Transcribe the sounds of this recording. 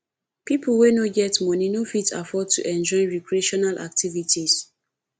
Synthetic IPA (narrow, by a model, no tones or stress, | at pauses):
piplwenoɡɛtmɔninofitʰa̰fɔd̚tʰṵʔɛ̃nd͡ʒɔɪɹikɹieʃɔnalʔa̰k̚tʰivitis